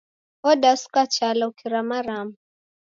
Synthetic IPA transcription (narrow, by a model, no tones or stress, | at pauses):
ɔdasu̥kat͡ʃalaukiɾamaɾamu